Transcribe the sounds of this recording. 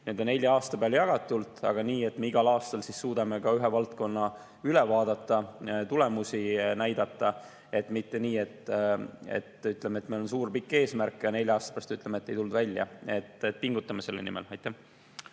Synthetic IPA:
nend̪o̞nːe̞lʲjɑɑːst̪ɑpeɑljɑɡ̥ɑt̪ːˑult̪ɑ̰ɡ̥ɑniːe̞t̪me̞iɡ̥ɑlɑːst̪ɑlsisːuːd̪ɑme̞kɑyɦevɑlt̪ko̞nːɑ | ylɛvɑːd̪̥ɑt̪ːˑɑt̪ulemusinæjd̪ɑt̪ːˑɑ | e̞t̪ːmit̪ːe̞niːe̞t̪ːˑ | ḛt̪ːˑyt̪ˑlemet̪melo̞ns̬uːrpikːe̞ːsmærkːˑjɑne̞lʲjɑɑːst̪ɑ̥eæɑst̪yt̪lemet̪ːe̞jt̪uld̪̥vælʲjɑ̰e̞t̪ːet̪ːpiŋɡut̪ːˑɑmese̞lːenimḛlɑjt̪ˑːæh

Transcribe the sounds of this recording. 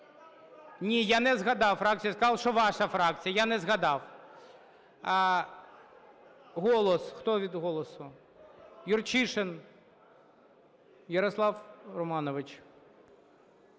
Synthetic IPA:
nʲijanɛzɣɐd̪ɑwfɾɑk̚t͡sʲijɐskɐzɑlˠʃɔʋɑʃɐfɾɑk̚t͡sʲijɐjanɛzɣɐd̪ɑw | ɦɔlˠɔsxt̪ɔʋʲid̪ɦɔlˠɔsʊ | jʊrt͡ʃiʃen | jɐɾɔslˠɑwrɔmɑnɔʋɪt͡ʃ

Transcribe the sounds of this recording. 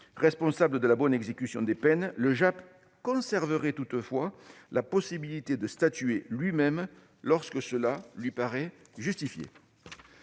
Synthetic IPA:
ʁɛspɔ̃sabləd̪əlabɔnɛɡzekʲysjɔ̃d̪epɛnləʒap | kɔ̃sɛʁvəʁɛt̪ut̪əfwalapɔsibilit̪ed̪əst̪at̪yelɥimɛm | lɔʁskəsəlalɥipaʁɛʒyst̪ifjḛ

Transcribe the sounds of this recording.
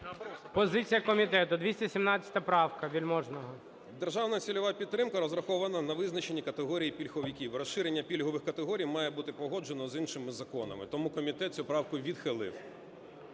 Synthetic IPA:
pɔzɪt͡sʲijɐkɔmʲit̪ɛt̪ʊd̪ʋʲisʲtʲɛsʲimnɑt͡sʲɐ̥t̪ɐpɾɑwkɐʋʲilʲmɔʒnɔɦɔ | d̪erʒɑwnɐsʲilʲɔʋapʲidt̪ːɾɪmkɐɾɔzɾɐxɔʋɐnɐnɐʋɪznɐt͡ʃe̞nʲikɐt̪eɦɔɾʲijipʲilʲxɔʋʲikʲiwrɔsʃɪɾenʲːɐpʲilʲɦɔʋɪxkɐt̪eɦɔɾʲijmɑjɛbut̪ɪpɔɦɔd͡ʒe̞nɔzinʃɪmɪzɐkɔnɐ̰mɪ̰t̪ɔmukɔmʲit̪ɛt̪̚ʲsʲupɾɑwkʊʋʲid̪xɪlˠɪ̰w

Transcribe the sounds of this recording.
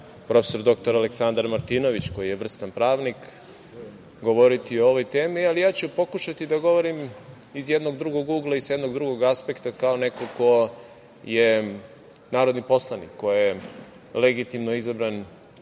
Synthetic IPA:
pɾo̞feso̞ɾd̪o̞k̚t̪o̞ɾaleksand̪aɾmaɾt̪ino̞ʋit͡ɕko̞jijeʋr̩st̪anpɾaːʋnik | ɡoʋo̞ɾit̪iooʋo̞jt̪e̞ːmialijaːt͡ɕupo̞kuʃat̪id̪aɡo̞ʋo̞ɾim | izjed̪noɡd̪ɾuɡo̞ɡuːɡlˠaisje̞d̪noɡd̪ɾuɡo̞ɡaspe̞kt̪akaone̞koko̞ | je | naːɾod̪nipo̞slˠanḭkʰːo̞je | leɡit̪imnoizabɾan

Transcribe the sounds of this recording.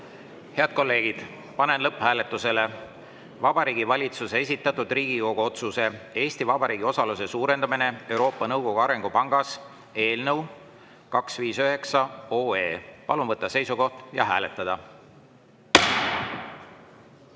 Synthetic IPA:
he̞ɑd̪̥̚ko̞lːe̞ːɡ̥id̪̥ | pɑne̞nlɤpːhæːle̞t̪ˑːuse̞le̞ | vɑbɑɾiːɡ̥ivɑlʲit̪susees̬ʲit̪ːˑɑt̪ːˑud̪riːɡ̥iko̞ɡ̥uo̞t̪suse̞e̞ːst̪ivɑbɑɾiːɡ̥io̞sɑluse̞suːɾe̞nd̪ɑmine̞e̞wɾo̞ːpːˑɑnɤwɡ̥o̞ɡ̥uɑɾe̞ŋɡupɑŋɡ̥ɑs | e̞ːlnɤw | kɑksviːsøɦe̞ksɑo̞ːe̞ːpɑlunvɤt̪ːˑɑse̞jsuko̞ht̪jɑɦæːle̞t̪ːˑɑd̪̥ɑ

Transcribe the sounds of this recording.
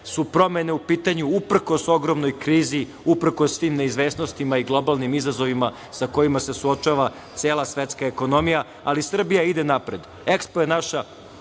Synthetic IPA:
supɾo̞me̞ne̞upiːt̪aɲuupɾ̩ko̞so̞ɡɾo̞mno̞jkɾiːzi | upɾ̩kosːʋiːmneizʋe̞ːsno̞st̪imaiɡlˠo̞balˠnimizazo̞ʋima | sako̞jimasesuo̞t͡ʃaʋa | t̪seːlˠasʋet̪skaeko̞no̞mija | alisr̩bijaid̪enapɾe̞d̪ | ekspoenaʃa

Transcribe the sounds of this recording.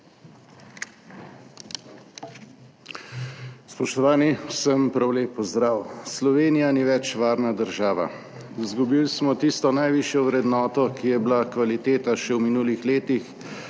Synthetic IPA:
spɔʃt̪ɔʋaːnisəmpɾawleːpːɔzd̪ɾaːwslɔʋeːnijaniʋɛt͡ʃʋaːɾnad̪əɾʒaːʋa̰ | zɡubilsmɔt̪ist̪ɔnajʋiʃjɔwɾɛd̪nɔːt̪ɔkijɛblakʋalit̪eːt̪aʃɛwminuːlixleːt̪ix

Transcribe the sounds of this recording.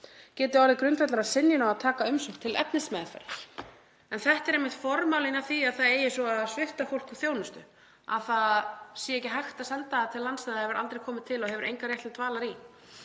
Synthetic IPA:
cɛːt̪ɪawlɪkɾʏnt̪vɛt̪laɾasɪnjɪnawaðt̪ʰaːkaʏmsʏ̥t̪ʰːɪlɛ̰pnɪsmɛːðfɛ̰ɾ̥ | ɛnθɛht̪ɛɾejmːɪht̪fɔɾmawlɪnaθiaðθaðeːjɪsɔaðsvɪft̪afowl̥kuθjownʏst̪ʏ | a̰ðθaðsjɛɛecɪɦajxt̪asɛlt̪aat̪ʰɪlːant̪st̪ajðhɛvʏɾa̰lt̪ɾejkʰɔːmɪt̪ʰɪlɔhɛvʏɾejŋkaɾjɛht̪ɪt̪ʰvaːlaɾi

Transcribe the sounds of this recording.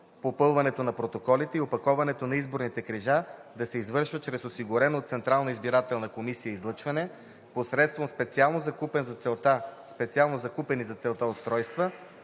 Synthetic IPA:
popɤlˠvɐnɛt̪onɐpɾot̪okɔlit̪ɛiopɐkɔvɐnɛt̪onɐizboɾnit̪ɛkɾiʒad̪ɐsɛizvɤɾʃvət͡ʃɾɛsosiɡʊɾɛnot̪sɛnt̪ɾalˠnɐizbiɾat̪ɛlˠnɐkomisijəizlˠɤt͡ʃvɐnɛ | posɾɛt̪st̪vomspɛt̪sialˠnozɐkupɛnzɐt̪sɛlˠt̪aspɛt̪sialˠnozɐkupɛnizɐt̪sɛlˠt̪aot̪st̪ɾɔjst̪və

